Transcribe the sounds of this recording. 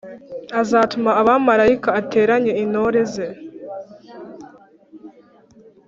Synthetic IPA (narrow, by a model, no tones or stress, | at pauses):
azaːtumaaβamaɾaikaːte̞ːɾaɲeinoɾeze